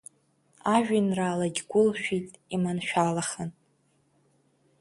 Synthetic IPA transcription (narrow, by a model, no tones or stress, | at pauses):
aʒᶣinraːlaɡʲɡʷʊlʃᶣitʼimanʃᶣalaχən